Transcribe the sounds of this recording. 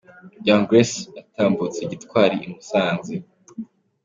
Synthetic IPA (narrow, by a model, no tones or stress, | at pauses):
ɟaŋɡɾesataːmbut͡seɟitkwaːɾiʔimusaːnze